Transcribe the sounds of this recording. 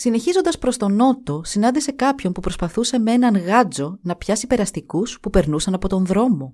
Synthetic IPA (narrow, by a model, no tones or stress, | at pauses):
sine̞çizo̞nd̪ɐspɾo̞st̪o̞no̞t̪o̞sinɐnd̪ise̞kɐpço̞npupɾo̞spɐθuse̞me̞nɐnɣɐd͡zo̞nɐpçɐsipe̞ɾɐst̪ikuspupe̞ɾnusɐnɐpo̞t̪o̞nðɾo̞mo̞